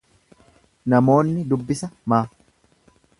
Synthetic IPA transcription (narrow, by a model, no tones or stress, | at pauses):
nɐmo̞ːnːɪd̪ʊbːɪsɐmaː